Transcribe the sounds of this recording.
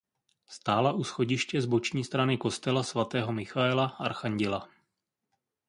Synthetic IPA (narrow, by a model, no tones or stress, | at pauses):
st̪aːlaʔusxo̞ɟɪʃcɛzbo̞t͡ʃɲiːst̪ɾanɪko̞st̪ɛlasvat̪ɛːɦo̞mɪxaɛlaʔaɾxaɲɟɪla